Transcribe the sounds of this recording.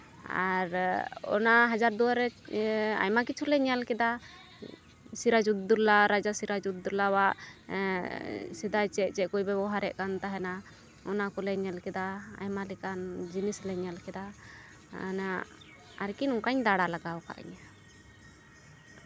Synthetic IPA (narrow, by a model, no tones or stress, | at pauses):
a̰ɾɔ̰naɦad͡ʒaɾd̪uwaɾɛ | a̰jmakit͡ʃʰulɛɲalkɛd̪a | siɾad͡ʒud̪̚d̪uɾlaɾad͡ʒasiɾad͡ʒud̪̚ːuɾlawaʔ | sid̪ajt͡ʃɛt͡ʃɛkujbɛbɔɦaɾɛʔkant̪aɦɛna | ɔnakɔlɛɲjalkɛd̪aa̰jmalikand͡ʒinislɛɲalkɛd̪a̰ | na | a̰ɾkinɔŋkaɲd̪aɽalaɡawka̰ʔa̰ɲa